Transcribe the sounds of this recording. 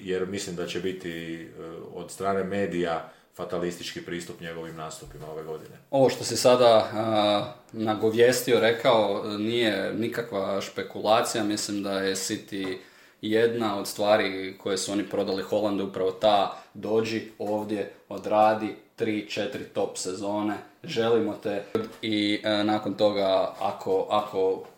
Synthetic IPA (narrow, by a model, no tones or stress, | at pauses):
jeɾmislimd̪at͡ɕebit̪i | od̪st̪ɾaːne̞me̞ːd̪ija | fat̪alist̪it͡ʃkipɾiːst̪upɲeɡo̞ʋimnaːst̪upimao̞ʋe̞ɡo̞d̪ineo̞ʋo̞ʃt̪o̞sisad̪a | naɡo̞ʋje̞st̪io̞ɾe̞kaonije̞nikakʋaʃpe̞kulˠaːt̪sijamislimd̪aje̞sit̪i | je̞d̪nao̞d̪st̪ʋaːɾikʰo̞jesuo̞nipɾo̞d̪alixo̞lˠand̪upɾaʋo̞t̪ad̪o̞ːd͡ʑio̞ːʋd̪je̞o̞d̪ɾaːd̪it̪ɾiːt͡ʃe̞t̪ɾit̪o̞pse̞zo̞ːne̞ʒe̞limo̞t̪e̞d̪inaːko̞nt̪o̞ɡaakʰo̞ʔakʰo̞